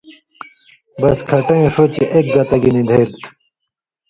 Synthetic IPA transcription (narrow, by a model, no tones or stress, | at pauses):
bɐskʰɐʈɐ̃ĩʂoːt͡ɕeʔek̚ɡɐt̪ɐɡinĩd̪ʱeːɾt̪ʰ